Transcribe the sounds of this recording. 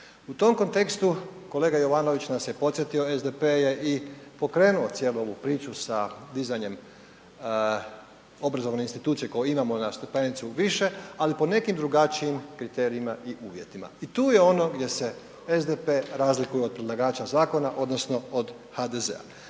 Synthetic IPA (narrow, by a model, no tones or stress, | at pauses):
ut̪o̞mko̞nt̪e̞kst̪uko̞le̞ːɡajo̞ʋano̞ʋit͡ɕnasje̞po̞t̪sjet̪io̞ezd̪epeje̞ʔipo̞kɾe̞ːnuo̞t̪sʲje̞ːluo̞ʋupɾiːt͡ʃusad̪izajɲe̞m | o̞bɾazo̞ʋne̞inst̪it̪uːt̪sije̞ko̞jeimamo̞nast̪epe̞nit̪suʋiʃe̞alipo̞ne̞kimd̪ɾuɡat͡ʃiimkɾit̪e̞ːɾiimaʔiʔuːʋje̞t̪ima̰it̪uːje̞o̞no̞ɡd̪je̞se̞ | ezd̪epe̞ɾaːzlikujeo̞d̪̚pɾed̪lˠaɡaːt͡ʃazaːko̞naʔo̞d̪no̞sno̞od̪ | had̪ezḛa̰